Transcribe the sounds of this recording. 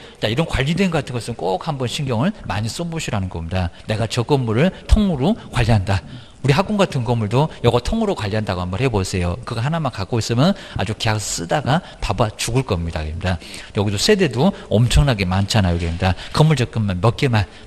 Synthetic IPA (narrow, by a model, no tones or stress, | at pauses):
t͡ɕ͈aiɾʌnkwaʎːidwe̞nɡʌk͈atʰɯnŋɡʌsʰɯnk͈ok̚hambʌnɕʰinɡjʌŋɯɭmaɲis͈omboɕʰiɾanɯnɡʌmɲidane̞ɡat͡ɕʌk͈ʌmmuɾɯɭtʰoŋmuɾokwaʎːiɦanda | uɾiɦak͈uŋɡatʰɯnkʌmuɭdojʌɡʌtʰoŋːuɾokwaʎːiɦandaɡohambʌnhebosʰe̞jokɯɡaɦanamankak͈ois͈ɯmjʌn | a̰d͡ʑukejakss͈ɯdaɡa | pabat͡ɕuɡɯɭk͈ʌmɲida̰kɯmɲidajʌɡisʰosʰe̞de̞doʌmt͡ɕʰʌŋnaɡe̞mant͡ɕʰanajokɡɯemɲidakʌmːuɭt͡ɕʌk͈ɯmːanmʌk͈emaɭ